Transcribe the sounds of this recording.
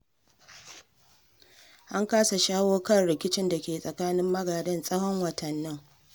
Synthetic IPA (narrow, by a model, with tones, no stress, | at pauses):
ʔa˦ŋkaː˦sa˨ʃaː˦woː˦kɐ˦rɽɪ˨kʲɪ˦t͡ʃɪ˦nda˨kʲeː˨sʼɐ˨kaː˦nɪ˦mːɐ˦ɡaː˨dɐ˦nsʼɐ˦hɔ˦ŋwɐ˨tɐ˨nːɪ˦ŋ